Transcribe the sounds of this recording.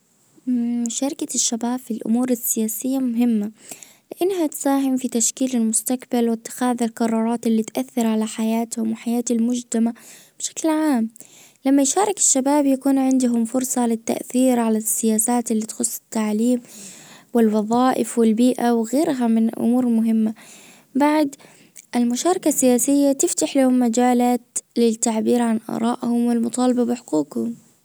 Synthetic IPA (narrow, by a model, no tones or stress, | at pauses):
ʃɑɾˤɪkaʃːabaːbfilʔʊ̰muːɾɪsːɪjaːsɪjːamʊɦɪmːa | lɪʔanːhat̪saːɦɪmfit̪aʃkiːlɪlmʊst̪akbalwɪt̪ːɪ̥xaːðɪlqɑɾˤːɑːɾˤɑːt̪ʔɪlːit̪ʔaθːɪɾʕalaħajaːt̪hʊmwɪħajaːt̪halmʊd͡ʒt̪ama | b̥ʃḁklʕaːm | lamːajʃɑːɾˤɑkɪ̥ʃːabaːbjakuːnʕɪnd̪ʊɦʊmfʊɾˤsˤɑlɪt̪ːa̰ʔθiːɾʕalasːɪjaːsaːt̪ɪlːiːt̪xʊsˤːɪ̥t̪ːaʕliːmwɪlwɑðˤɑːʔɪfwɪlbiːʔawɣeːɾɦamɪnʔʊ̰muːɾmʊɦɪmːa | baʕd̪ | ʔɪlmʊʃɑːɾˤɑkasːɪjaːsɪjːat̪ɪft̪aħlahʊmːad͡ʒaːlaːt̪lɪt̪ːaʕbiːɾʕanʔɑ̰ːɾˤɑːʔhʊmwɪlmʊt̪ˤɑːlɑbabɪħʊquːqhʊm